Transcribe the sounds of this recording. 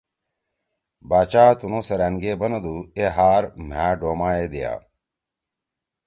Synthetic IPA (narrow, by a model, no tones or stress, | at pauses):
baːt͡ɕaːt̪unoːsɐɾæ̃ːnɡeːbɐnɐd̪uːeɦaːɾm̤æ̃ːɖoːmaːeːd̪eja̰ː